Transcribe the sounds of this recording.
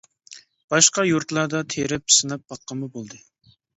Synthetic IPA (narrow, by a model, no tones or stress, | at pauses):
b̥ɑʃqɑjuɾt̪lˠɑd̪ɑt̪ʰeɾɪp̚sɨnɑp̚ːɑqːəmʊbolˠd̪ɨ